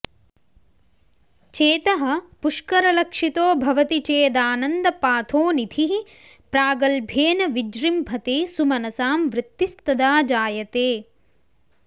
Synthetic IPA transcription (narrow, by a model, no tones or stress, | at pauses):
t͡ʃeːt̪ɐɦɐ̆puʂkɐɾɐlɐkʂit̪oːbʱɐʋɐt̪it͡ʃeːd̪aːnɐnd̪ɐpaːt̪ʰoːnid̪ʱʰiɦi | pɾaːɡɐlbʱeːnɐʋid͡ʒɾimbʱɐt̪eːsumɐnɐsaːmʋɾɪt̪ːist̪ɐd̪aːd͡ʒaːjɐt̪eː